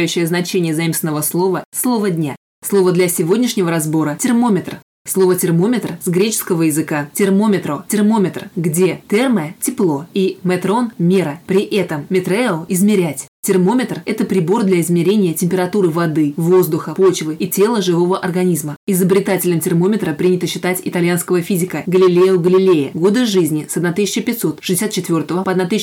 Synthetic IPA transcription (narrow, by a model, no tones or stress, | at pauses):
jʉɕːɪjəznɐt͡ɕenʲɪjəzɐimst̪ʲɪnəvəslˠo̞vəslˠo̞vədʲnʲa | slˠo̞vəd̪lʲɐsʲɪvo̞dʲnʲɪʂnʲɪvəɾɐzbo̞ɾətʲɪrmo̞mʲɪt̪r | slˠo̞vətʲɪrmo̞mʲɪt̪rsɡɾʲet͡ɕɪ̥skəvəjɪzɨkatʲɪrmo̞mʲɪt̪ɾotʲɪrmo̞mʲɪt̪rɡdʲe̞t̪ɛrməətʲɪplˠo̞imɐt̪ɾo̞nmʲeɾəpɾʲɪʔɛt̪əmmʲɪt̪ɾɛlˠɪzmʲɪɾʲætʲtʲɪrmo̞mʲɪt̪rɛt̪əpɾʲɪbo̞rd̪lʲɐɪzmʲɪɾʲenʲɪjətʲɪmʲpʲɪɾɐt̪uɾɨvɐd̪ɨvo̞zd̪ʊxəpo̞t͡ɕvɨitʲe̞lˠəʐɨvo̞vəʔɐrɡɐnʲizməɪzəbɾʲɪt̪atʲɪlʲəmtʲɪrmo̞mʲɪt̪ɾəpɾʲinʲɪt̪əɕːɪt̪atʲɪt̪ɐlʲjanskəvəfʲizʲɪkəɡəlʲɪlʲejʊɡəlʲɪlʲejɪɡo̞d̪ɨʐɨzʲnʲɪsɐd̪nat̪ɨsʲɪt͡ɕəpʲɪt̪ʲso̞t̪ʂɨ̥zʲɪsʲat̪̚t͡ɕːɪt̪vʲo̞rt̪əvəpəɐd̪nat̪ɨsʲ